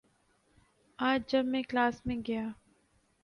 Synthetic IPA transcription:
aːd͡ʒd͡ʒɐbmẽklaːsmẽɡɐjaː

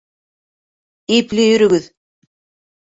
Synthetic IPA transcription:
ijplɘjɵ̆ɾɵ̆ɡɘð

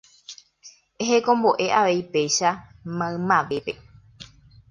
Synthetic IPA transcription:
eɦe̞kõ̞mbo̞ʔe̞ʔaʋe̞ipe̞jʃamãɨ̃mãʋe̞pe̞

